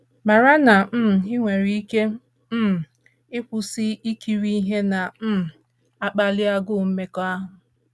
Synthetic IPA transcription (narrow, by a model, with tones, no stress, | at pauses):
ma˨ɾa˦na˨m̩˦m̩˨ɪ˦ŋʷe˨ɾi˦i˦ke˦ | m̩˦m̩˨ | ɪ˦kʊ˨sɪ˦i˦ki˨ɾi˦i˦ɦe˦na˨m̩˦m̩˨ | a˦k͡pa˦lɪ˦a˦ɡʊ˦˨m̩˦me˦kɔ˦a˦ɦʊ˨